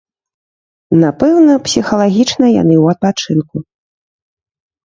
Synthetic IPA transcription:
napɛwnɐpsʲixɐlˠaɣʲit͡ʂnɐja̰n̪ɨwɐt̪̚pat͡ʂɨnku

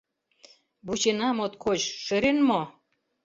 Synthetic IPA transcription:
but͡ɕenɑmot̪kʰot͡ɕʃeɾenmo

